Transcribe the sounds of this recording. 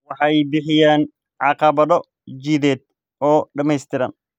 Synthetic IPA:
wɐħajbɪħɪjaːn | ʕaqɐbɐd̪ɔ | d͡ʒiːd̪eːt̪̚ | ʔoːᶑɐmɛjst̪ɪɾɐ̰n

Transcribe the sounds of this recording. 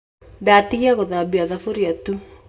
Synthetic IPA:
datiɣiaɣoðabiaðafoɾiatu

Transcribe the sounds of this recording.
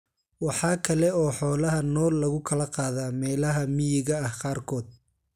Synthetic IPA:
wɑħɑːkʰɐlɛɔːħɔːlɐɦɐnɔːlːɐɣʊkʰɐlɐqɑːðaːmɛːlɐɦɐmɪjɪɣɐɐhqɑːrkʰɔːd̪̚

